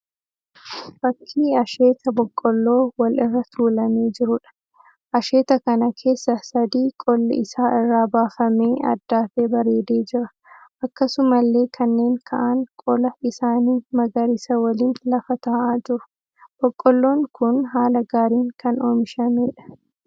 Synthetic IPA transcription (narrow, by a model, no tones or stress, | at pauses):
bɐkʰːiːɐʃe̞ːt̪ɐbɔkʼːɔlːo̞ːwɐlɪrːɐt̪ʰuːlɐmeːd͡ʒɪɾʊᶑɐ̥ | ʔɐʃe̞ːt̪ɐkɐnɐkʰe̞ːsːɐsɐd̪iːkʼɔlːɪɪsaːɪrːaːbaːfɐmeːɐ̰d̪ːaːfeːbɐɾe̞ːd̪e̞ːd͡ʒɪɾɐ̥ | ʔɐkːɐsʊmɐlːe̞ːkʰɐnːe̞ːŋkʰɐ̰ʔɐŋkʼɔlɐɪsaːniːmɐɡɐɾɪsɐwɐliːnlɐfɐt̪aːʔaːd͡ʒɪɾʊ̥ | b̥ɔkʼːɔlːo̞ːŋkʊnɦaːlɐɡaːɾiːŋkɐnoːmɪʃɐmeːᶑɐ̥